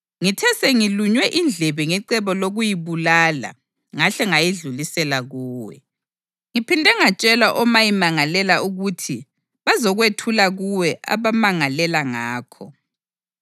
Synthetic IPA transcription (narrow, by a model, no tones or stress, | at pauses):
ŋitʰɛsɛŋiluɲwɛʔind͡ɮʱɛβɛŋɛǀɛβɔloɣujiβulala̰ | ŋaɬɛŋajiɮulisɛlaɣuːwɛ̰ | ŋipʰindʱɛŋat͡ʃʼɛlaʔɔmajimaŋalɛlauɣutʰi | βazɔɣwetʰulaɣuwɛʔa̰βamaŋalɛlaŋaːkʰɔ